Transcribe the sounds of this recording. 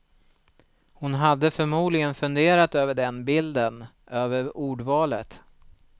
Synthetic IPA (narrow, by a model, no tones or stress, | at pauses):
hʊnɦad̪ːəfœɾmuːd̪lɪɡənfɵnd̪eːɾat̪øːvəɖɛnbɪld̪ən | ʔøːvəɾuːɖvɑːlə̰t̪